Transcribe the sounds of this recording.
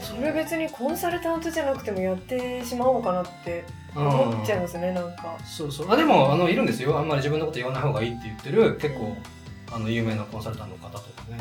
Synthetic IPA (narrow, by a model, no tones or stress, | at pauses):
so̞ɾebe̞t͡sɨɲ̟ikʰõ̞ɰ̃saɾɯ̟t̪ãnt̪ɨʑanakɯ̟̥t̪e̞mo̞jat̪ːe̞ɕimaoːkanat̪ːe̞ | oãmot͡ɕːaimasɨne̞nãŋkasoːsoːad̪e̞mo̞ano̞iɾɯ̟̃nd̪e̞sɨjo̞amːaɾʲiʑibɯ̟nːokot̪jiβanaihoːɡaiːt̪ːe̞jɯ̟t̪ːe̞ɾɯ̟ke̞kːo̞ː | ano̞jɯ̟ːme̞ːnakõsaɾɯ̟t̪anokat̪at̪od̪esne